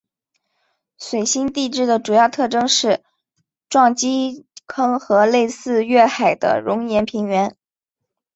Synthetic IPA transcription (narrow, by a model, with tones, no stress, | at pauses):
swe˨˩ɪɕi˥nt̪i˥˧ʈ͡ʂɻ̩˥˩d̪ə˩ʈ͡ʂu˨˩jɑ˥˧ʊt̪ʰɤ˥˩ʈ͡ʂɤ˥ŋʂɻ̩˥˩ | ʈ͡ʂwɑ˥˩ŋt͡ɕi˥kʰɤ˥ŋxɤ˧˥le˥˧ɪsɹ̩˥˧ɥɛ˥˩xa˨˩ɪd̪ə̰˦ɻʊ˧˥ŋjɛ˧˥npʰi˧˥ŋɥɛ˧˥n